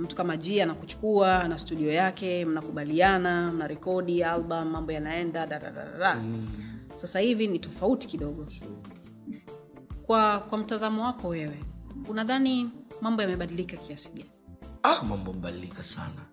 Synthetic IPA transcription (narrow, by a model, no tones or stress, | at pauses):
m̩tu̥kamaʄianakut͡ʃu̥kuanastuɗiɔjakɛm̩nakuɓaliananaɾɛkɔɗialɓam̩ːambɔjanaɛndaɗaɾa̰ɗa̰a̰ɾa | sasahivinitɔfauti̥kiɗɔɠɔ | kwakwam̩tazamɔwakɔwɛwɛunaðanimambɔjamɛɓaɗilikakiasi̥ɡaniamambɔmɛɓaɗilikasa̰na